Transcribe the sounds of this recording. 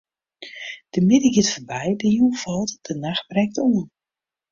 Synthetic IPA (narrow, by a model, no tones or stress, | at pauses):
d̥əmɪdəɡɪtfəbɛjdəjuvɔlˠtd̥ənaxbrɛk̚tuən